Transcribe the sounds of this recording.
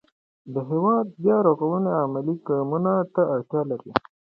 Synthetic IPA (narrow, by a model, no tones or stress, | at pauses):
d̪əɦewɑd̪̚bjɑɾoɣawuneamɪliɡɑmunat̪aːɽt̪jɑlaɾi